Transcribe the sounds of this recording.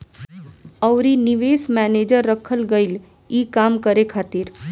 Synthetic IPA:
əʊɾinɪʋeːsmɛːneːd͡ʒəɾːəkʰəlɡəɪl | iːkaːmkəɾekʰaːt̪ɪɾ

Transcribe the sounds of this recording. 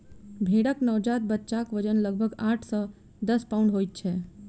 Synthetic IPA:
bʱeɽəknɔʋd͡ʒat̪̚bət̪ːʃakʋəd͡ʒənləɡ̚bʱəɡaːʈʰsə̃ | d̪əspauɳɖɦojt̪̚t͡ʃʰɛ

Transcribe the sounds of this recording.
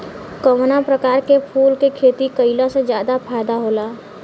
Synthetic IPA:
komnapɾəkaːɾkepʰuːlkekʰeːt̪ikəɪlãsed͡ʒjaːd̪apʰaːjd̪aɦoːlaː

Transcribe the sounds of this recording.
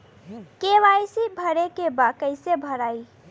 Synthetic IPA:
keʋajsibʱəɾekebakəjsebʱəɾaj

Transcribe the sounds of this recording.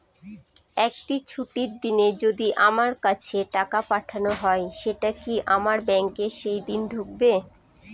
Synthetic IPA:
ɛk̚ʈit͡ɕʰuʈiɾd̪ined͡ʑod̪iʔamaɾkat͡ɕʰeʈakapaʈʰanoɦɔeʃeʈakiʔamaɾbɛŋkeʃejd̪inɖʱuk̚be

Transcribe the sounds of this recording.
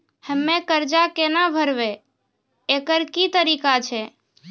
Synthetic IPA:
həmːẽkəɾd͡ʒakenabʱəɾʋe | ekəɾkit̪əɾikat͡ʃʰe

